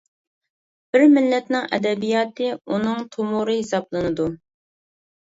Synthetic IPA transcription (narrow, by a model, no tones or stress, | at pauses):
b̥ɪɾmɪlːɛt̪nɪŋɛ̰d̪ɛbijɑːt̪ɨunɨŋt̪ʰomuɾɨhɪsɑblˠɨnɨd̪u